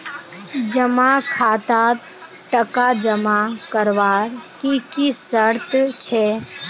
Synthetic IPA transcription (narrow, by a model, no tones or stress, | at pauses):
d͡ʒəmakʰaːt̪a | ʈəkad͡ʒəmakəɾʋaːɾkikisəɾt̪t͡ʃʰɛ